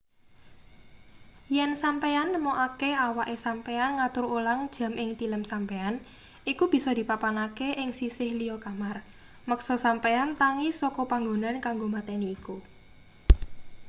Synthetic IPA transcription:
jɛnsampeanmɔʔakeawaʔesampeanŋat̪ʊɾolaŋd̥ʒ̥ä̤mʔɪŋt̪iləmsampean | ikub̥i̤sɔd̪̥i̤papanakeʔɪŋsisɪhlijɔkamar | məksɔsampeant̪aŋisɔkɔpaŋɡonankaŋɡomat̪ɛniːku

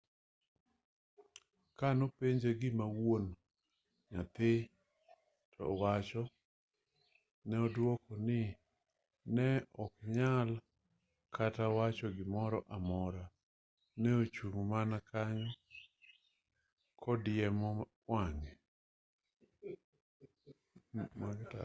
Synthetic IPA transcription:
kanopeɲd͡ʒeɡɪmawon | ɲa̰t̪ɪ | tʰɔ̰wat͡ʃɔ | nɛɔdwɔkɔnɪ | nɛɔkɲal | kʰatawat͡ʃɔɡɪmɔɾɔʔamɔɾa | nɛot͡ʃuŋmanakʰaɲɔ | kʰɔdɪjɛmɔ | waŋe | maɡta̰

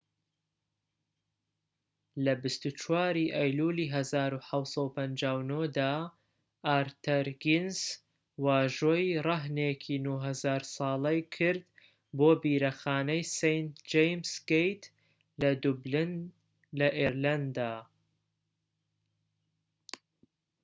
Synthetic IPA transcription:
lɐbɨst̪ut͡ʃʰwaːɾiʔɛjluːliːɦɐzaːɾuħawsˤɑupʰɐnd͡ʒaːwnod̪aː | ʔaːɾt̪ʰɐɾɡins | waːʒojrɐɦnekʰinuɦɐzaːɾsɑːlˠɐjkʰɨɾd̪ | boːbiːɾɐxaːnɐjsejnt̪d͡ʒejmsɡejt̪ | lɐd̪ublin | lɐʔeɾland̪aː

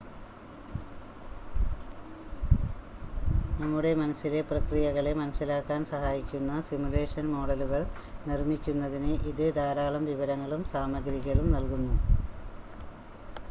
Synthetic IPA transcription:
nɐmːuɽe̞mɐnɐsːile̞prɐkrijɐɣɐɭemɐnɐsːilaːkːaːnsɐhaːjikʲːunːɐsimule̞ːʂɐnmo̞ːɽɐluɣɐɭnirmikʲːunːɐðinɨʔiðɨd̪ʱaːɾaːɭɐmʋiʋɐɾɐŋːɐɭumsaːmɐɡɾiɣɐɭumnɐlkunːu

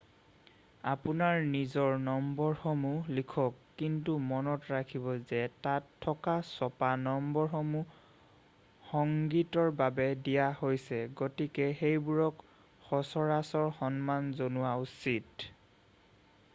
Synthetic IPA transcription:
apunaɹnizɔɹnɔmbɔɹxomulikʰɔkːintumɔnɔtɹakʰibɔzɛtatʰːɔkasɔpanɔmbɔɹxɔmu | xɔŋɡitɔɹbabɛdijahojsɛɡotikɛxejbuɹɔk | xɔsɔɹasɔɹxɔnmanzonʊwausit

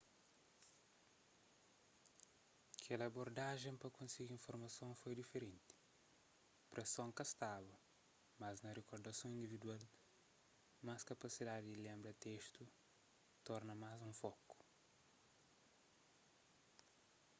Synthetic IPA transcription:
ɐkʰɛlɐboɾd̪aʒẽpɐkõsiɡiĩfoɾmɐsõfojd̪ifeɾẽnt̪i̥ | pɾesõŋkɐst̪abɐ | mɐznɐrekoɾd̪ɐsõĩnd̪ivid̪wal | maskɐpɐsid̪ad̪id̪ilẽmbɾɐt̪eʃt̪u | t̪ɔɾnɐmazũfɔku̥

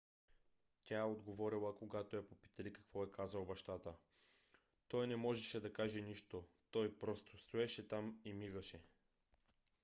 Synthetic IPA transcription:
c̪ʲaɛod̪ɡovɔɾilˠəkoɡat̪oɛpopi̥t̪ɐlikɐ̥kvɔɛkazɐlˠbɐʃt̪at̪ə | t̪ɔjnɛmɔʒɛʃɛd̪ɐkaʒɛniʃt̪o | t̪ɔjpɾɔst̪ost̪oɛʃɛt̪amimiɡəʃɛ

